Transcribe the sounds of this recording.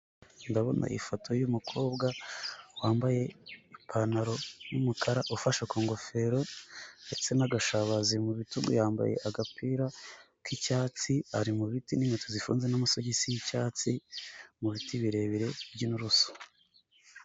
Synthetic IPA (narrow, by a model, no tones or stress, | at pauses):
ndaβo̞nʔa̰ʔḭfotʰo̞jumukʰo̞ːbɡawaːmbaje̞ipʰanaɾo̞jumukʰaɾaʔufaʃakoːŋɡo̞fe̞ɾo̞nde̞t͡se̞naɡaʃaβazimuβituɡo̰jaːmba̰je̞̰ʔaɡapiːɾa | kicaːt͡siaɾimuβitinimotozifṵːnzenamusoɟisijicaːt͡simuβitiβiɾe̞βiɾe̞bɟinuɾuso̥